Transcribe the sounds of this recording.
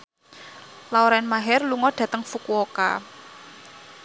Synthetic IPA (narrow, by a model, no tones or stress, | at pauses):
lawɾaɛnmaɦɛrluŋɔɖ̥ä̤t̪əŋfukuoka̰